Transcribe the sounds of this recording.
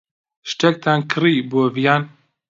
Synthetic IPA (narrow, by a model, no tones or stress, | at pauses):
ʃtɛk̚t̪ʰaːnkʰɨɾiːboːvijaːn